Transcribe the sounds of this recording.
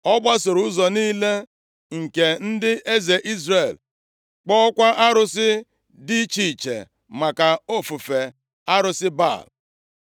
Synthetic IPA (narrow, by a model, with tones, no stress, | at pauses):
ɔ˦ba˦sʊ˨ɾʊ˦zɔ˨niː˦le˦ | ŋ̩˨ke˨n̩˦dɪ˦ʔe˦ze˨ʔi˦zɾe˨l | k͡pɔ˦kʷa˦ʔa˦ɾʊ˦sɪ˦ | di˦t͡ʃi˨t͡ʃḛ˨ | ma˨ka˨o˦fu˨fe˨ | a˦ɾʊ˨sɪ˦ba̰˦˨l